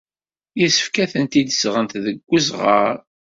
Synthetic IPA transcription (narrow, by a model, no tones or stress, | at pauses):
jəsə̥fkæθənt̪id̪əsʁənt̪ðəɡʷːəzʁəɾ